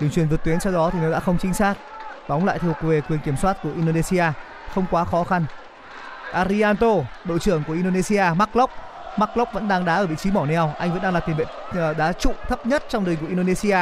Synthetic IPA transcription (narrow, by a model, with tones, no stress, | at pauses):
t͡ɕi˨˧əŋt͡ɕwi˨˩nvt̪wi˨˦ənsɔ˧wɗɔ˨˦t̪i˨˩nɔ˨˦ɗa̰ː˧˥xə˧wŋ͡mt͡ɕï˨˦ŋ̟saː˦˥k̚ɓɔ˨˦wŋ͡mla̰ː˧˨t̪̚ʰve˨˩kwi˨˩ənki˧˩əmswaː˦˥t̚ku˧˩əʔi˧nɗo˧ne˧si˧aː˧ | xə˧wŋ͡mkwaː˨˦xɔ˨˦xa˧n | ʔaː˧ɾi˧aː˧nt̪o˧ɓo̰˧˨t͡ɕɨ˧˩əŋku˧˩əʔi˧nɗo˧ne˧si˧aː˧ma˦˥k̚lo˦˥k͡p̚ | ma˦˥k̚lk͡p̚və̰˧˥nɗaː˧ŋɗaː˨˦ʔəː˧˩vḭ˧˨t͡ɕi˨˦mɔ˧˩nɛ˧wʔa˧jŋvə̰˧˥nɗaː˧laː˨˩t̪i˨˩˨vḛ˧˨˩ | ɗaː˨˦t͡ɕṵ˧˨t̪ʰə˦˥p̚ɲə˦˥t̚t͡ɕɔ˧wŋ͡mɗəː˨˩ŋku˧˩ʔi˧ɗo˧ne˧si˧aː˧